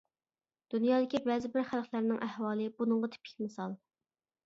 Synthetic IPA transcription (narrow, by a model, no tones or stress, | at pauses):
d̪̥unjɑːd̪ɪkʲibɛzɪbɪɾχælˠqlæɾnɪŋʔæhwɑːlˠɨbunɨŋʁɑt̪ʰɪ̥pʰɪ̥kʲmɪsɑlˠ